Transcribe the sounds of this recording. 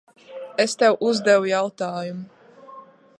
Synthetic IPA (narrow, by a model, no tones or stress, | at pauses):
est̪ɛwʔuzd̪ɛwujawt̪aːjum